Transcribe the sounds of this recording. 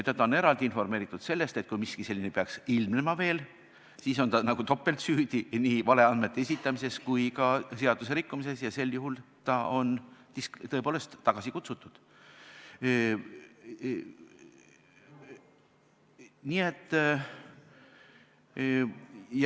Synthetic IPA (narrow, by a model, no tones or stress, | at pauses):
et̪ːɑt̪ːɑoneɾɑld̪iinfo̞rmeːɾit̪ːˑud̪̥se̞lːe̞st̪e̞t̪̚kujmiskise̞lːinepeɑksilmnemɑve̞ːl | siːso̞nt̪ɑnɑɡ̥ut̪o̞pːˑe̞lt̪syːd̪̥iniːvɑle̞ɑnd̪me̞t̪ːees̬ʲit̪ːˑɑmise̞skujkɑse̞ɑd̪̥use̞ɾikːumise̞sjɑse̞lːjuɦult̪ɑʔo̞nt̪iskt̪ɤepoːle̞st̪ːɑɡ̥ɑsikut̪sut̪ːˑud̪̥ | niet̪ː | j